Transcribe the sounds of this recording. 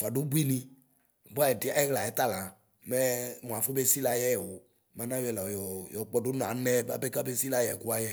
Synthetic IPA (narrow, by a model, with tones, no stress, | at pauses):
fa˨do˦bu˦i˦nĩ˧˨ | ba˦jɛ˨di˨a˨˦ɛ˦ɣla˨ɛ˨˦t̪a˦lã˨ | mɛ˦˨mũ˨a˨fo˦be˦si˦la˨jɛ˦jɛ˨wo˨ | mã˨nã˦wɛ˨la˨jɔ˨jɔ˨k͡pɔ˦do˦n˨ã˨˦nɛ˦ba̰˦be˦ka˦be˦si˦la˦jɛ̰˨ku˦a˦jɛ˦